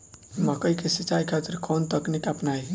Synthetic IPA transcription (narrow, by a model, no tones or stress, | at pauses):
məkəjkesit͡ʃːajkʰat̪ɪɾkʰont̪əknikəpnaj